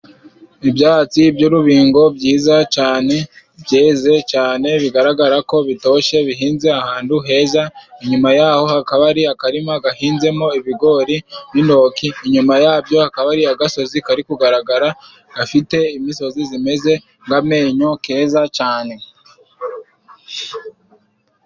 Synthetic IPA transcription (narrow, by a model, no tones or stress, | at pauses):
ibjaːt͡sibjuːɾuβiːŋɡo̞bɟiːzat͡ʃaːne̞ | bje̞ːze̞t͡ʃaːne̞βiɡaɾaɡaɾako̞βito̞ʃe̞βiɦiːnze̞ahaːnduɦe̞ːzaiɲumajaːho̞hakaβaɾiakaɾimaɡahiːnze̞mo̞iβiɡo̞ɾinindo̞kiːɲumajaːbjo̞hakaβaɾiaɡaso̞zikaɾikuɡaɾaɡaɾa | ɡ̥afite̞imiso̞zizime̞ze̞ | ŋɡame̞ːɲo̞ke̞ːzat͡ʃaːne̞